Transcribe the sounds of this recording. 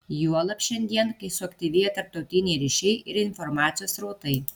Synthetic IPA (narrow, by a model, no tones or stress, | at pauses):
juɔlˠɐpʲʃʲɛnʲd̪ʲiɛnkɐɪsʊɐkt̪ʲiʋʲiːjɛt̪ɐɾp̚t̪ɐʊt̪ʲɪnʲɛɪɾʲɪʃʲɛɪʔɪɾɪnfɔɾmɑːt̪sʲɪjoːsɾɐʊt̪ɐɪ